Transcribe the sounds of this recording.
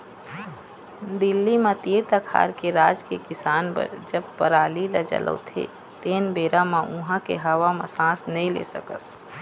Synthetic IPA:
d̪ɪlːimãt̪iɾt̪əkʰa̰ːɾkeɾaːd͡ʒkekɪsaːnpə̰ɾd͡ʒəb̚pəɾaːlilad͡ʒə̰lʔə̰t̪ʰḛ | t̪eːnbeːɾamaʔʊɦãkeɦəwamãsãːsnəĩlḛːsəkə̰s

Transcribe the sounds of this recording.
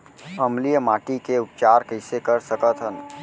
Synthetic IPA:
əmlijəmaːʈikeup̚t͡ʃaɾkəɪsekəɾsəkət̪ɦən

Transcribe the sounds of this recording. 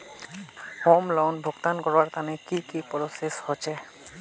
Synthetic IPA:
homlɔwnbʱokt̪ankɔɹwaɹt̪anɛkikipɔɹoseshot͡ʃʰɛ

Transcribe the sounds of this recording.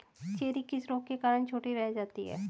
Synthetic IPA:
t͡ʃeːɾikisɾõːkkːekaːɾənt͡ʃʰoːʈiɾɛɦd͡ʒaːt̪iɦɛ̰ː

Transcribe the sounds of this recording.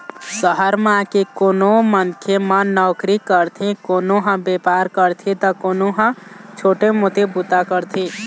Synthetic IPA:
səɦəɾmãkekoːnomənkʰjemənɔʊkɾikəɾt̪ʰĩkonoɦə̃bepaɾkəɾt̪ʰit̪ɔkonoɦə̃t͡ʃʰoʈemot̪ebut̪akəɾt̪ʰi

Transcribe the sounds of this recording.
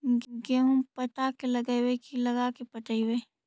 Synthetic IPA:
ɡeɦũpɐt̪akelɐɡəjwekilɐɡakepɐʈəiwe

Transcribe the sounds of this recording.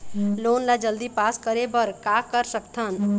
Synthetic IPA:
lonlad͡ʒəld̪ipaskəɾebəɾkakəɾsəkt̪ʰən

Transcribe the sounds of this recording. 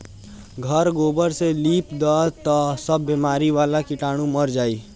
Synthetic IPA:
ɡʱɐɾɡoːbəɾseliːpd̪aːt̪asɐbːiːmaːɾiʋaːlakɪʈaːɽ̃ũmɐɾd͡ʒaːiː

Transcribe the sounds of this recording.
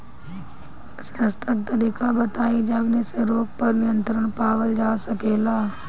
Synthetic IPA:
səst̪ʰək̚t̪ɐɾiːkabɐt̪aːid͡ʒɐbnesẽɾoːk̚pɐɾnɪjə̃nt̪ɾəɽ̃paːʋəld͡ʒaːsɐkeːlaː

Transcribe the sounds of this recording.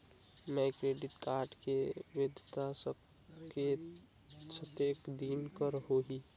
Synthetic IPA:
mɛ̃kɾeːɖɪʈkaːɾʈkeʋed̪ʱt̪asə | ke | sʰət̪eːkd̪iːnkəɾɦoɦi

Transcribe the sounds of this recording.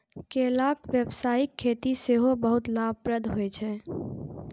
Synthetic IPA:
kelakʋjəbsaːikʰːet̪iseɦobəɦut̪lab̚ʱpɾəd̪ʱɦoɛt͡ʃʰɛ

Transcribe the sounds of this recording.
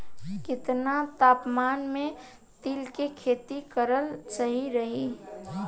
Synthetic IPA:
kɪt̪nat̪aːpmaːnmẽ | t̪ilkekʰeːt̪ikəɾəlt͡ʃəɦiɾəɦi

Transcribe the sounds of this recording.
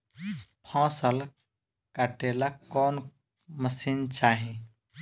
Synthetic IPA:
pʰãːsəl | kaʈelaɔːn | məsiːnt͡ʃaːɦĩ

